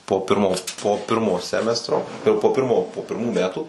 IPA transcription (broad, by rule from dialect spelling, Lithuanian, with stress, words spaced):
poː ˈpʲɪrmoː poː ˈpʲɪrmoː ˈsʲæːmʲɛstroː ɪr poː ˈpʲɪrmoː poː pʲɪrˈmuː ˈmʲæːtuː